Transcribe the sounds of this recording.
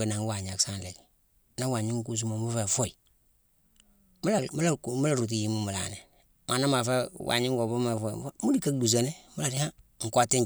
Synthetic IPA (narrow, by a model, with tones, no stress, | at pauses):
e˨na˨ŋ˦wa˨ɲa˨ksa˦n˨le˨ɡ | na˦wa˨ɲi˦ŋ˦ku˦˨s̬u˦mo˨mu˦fe˨fo˦i˨ | m˦a˨m˦la˦kmu˦la˦˨ɾu˨t̬i˨ji˨˦mu˦mə˨la̰˨ne˨ | mʔa˨na˦ma˨fɛ˦wʔa̰˨ɲi˦ŋ˦ɡo˨bu˦me˨fɔ˦i˨˦mu˦di˨ka˦du˨s̬a˨ne˦mu˦la˨ɾi˦ha˦ŋ̩˨ka˦ti˦